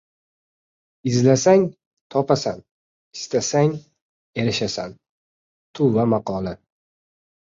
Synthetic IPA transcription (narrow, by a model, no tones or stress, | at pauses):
ɪzlasaŋ | t̪ʰɒpasan | ɪst̪asaŋ | e̞ɾɪʃasan | t̪ʰuvamaqʰɒla